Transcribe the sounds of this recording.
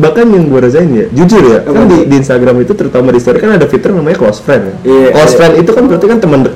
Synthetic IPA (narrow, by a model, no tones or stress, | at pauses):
bakanjaŋbuaɾazaɪnja̰d͡ʒud͡ʒʊljakandidiːnst̪aɡɾamit̪ut̪əɾut̪amaɾist̪oɾikanadafit̪ərnamaɲaklɔsfɾɛnjaklɔsfɾɛnit̪ukanbəɾat̪ikant̪əməndək